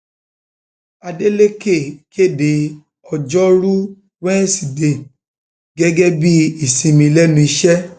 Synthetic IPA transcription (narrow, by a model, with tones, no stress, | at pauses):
a˧de˦le˦ke˦˨ke˦˨de˨ | ɔ˧d͡ʒɔ˦ɾu˦ | wɛ̃˦si˨de˨ | ɡɛ˦ɡɛ˦bi˦i˨sĩ˨˧mĩ˧lɛ˦nũ˧i˧ʃɛ˦